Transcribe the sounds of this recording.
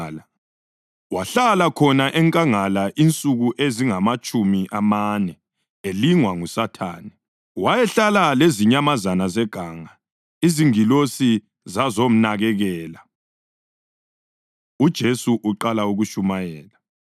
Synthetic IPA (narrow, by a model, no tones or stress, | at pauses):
la | waɬalakʰɔnaʔɛŋkʼaŋalaʔint͡sʼuɣuʔeziŋamat͡ʃʼumiʔamanɛ | eliŋwaŋusatʰa̰ːnɛ | wajɛɬalaleziɲamazanazɛɡ̥ʱaŋa | iziŋilosi | zazom̩naɣɛɣɛːla | ud̥ʒ̥ʱesuʔuǃalauɣuʃumajɛːla